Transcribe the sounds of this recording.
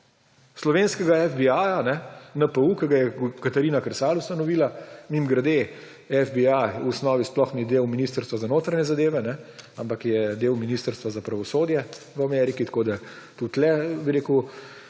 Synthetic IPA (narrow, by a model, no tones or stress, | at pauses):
slɔʋeːnskɛɡaɛfbiaːjanɛnəpəukɛɡajɛkat̪ɐɾiːnakɾsaːlust̪anɔʋiːlamimɡɾad̪e | ɛvbiajuɔsnɔːʋisplɔxnid̪eːwminist̪əɾst̪ʋazanoːt̪ɾaɲɛzad̪eːʋɛnɛampakjɛd̪eːwminiːst̪əɾst̪ʋazapɾaʋɔsoːd̪jɛ | ʋəamɛɾikit̪ɐ̥koːd̪at̪ut̪lɛbiɾeːku